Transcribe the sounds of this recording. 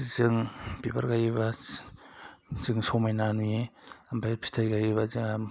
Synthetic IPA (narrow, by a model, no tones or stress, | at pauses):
zɯŋbiba̰ɾɡajβa | zɯŋsɔmajnanujembajpʰi̥tʰajɡajβazɯŋa